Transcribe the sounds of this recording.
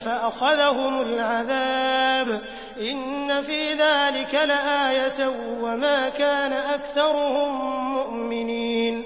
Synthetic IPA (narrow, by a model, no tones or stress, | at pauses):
faʔaxaðaɦʊmalʕaðaːb | ʔɪnːafiːðaːlɪkalɪʔaːjat̪awamaːkaːnaʔakθɑɾˤʊhʊmːʊʔmɪniːn